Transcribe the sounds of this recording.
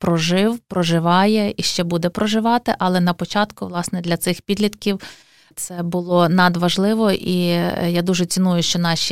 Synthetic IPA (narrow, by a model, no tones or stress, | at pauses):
pɾɔʒɪwpɾɔʒɪʋɑjɛiʃt͡ʃɛbud̪ɛpɾɔʒɪʋɑt̪ɪʔɐlˠɛnɐpɔt͡ʃɑt̪kʊʋlˠɑsnɛd̪lʲɐt̪sɪxpʲid̪lʲit̪kʲiw | t̪sɛbʊlˠɔnɐd̪ʋɐʒlˠɪʋɔʔijad̪uʒɛt͡sʲinujʊʃt͡ʃɔnɑʃʲi